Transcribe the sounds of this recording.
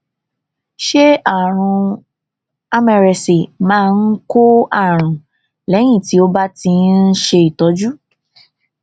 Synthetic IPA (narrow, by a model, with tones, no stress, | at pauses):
ʃe˦a˨ɾ̃ũ˧ | a˦mɛ˧ɾɛ˧si˨mãː˦˧n̩˦ko˦a˦˨ɾ̃ũ˨ | lɛ˨˦j̃ĩ˦˨ti˨˦o˧ba˦ti˧n̩˦ʃe˧i˨tɔ˨˦d͡ʒu˦